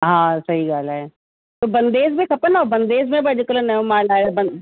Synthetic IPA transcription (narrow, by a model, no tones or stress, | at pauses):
ɦãːsɐɦiɡaːlɛː | t̪oːbɐnd̪eːzmẽkʰɐpənaobənd̪eːzmẽbɐd͡ʒəkələnɛõmaːlaːbən